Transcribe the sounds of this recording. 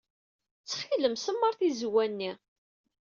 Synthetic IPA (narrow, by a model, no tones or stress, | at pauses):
t͡sːχiləmsəmːəɾˤθizwænːi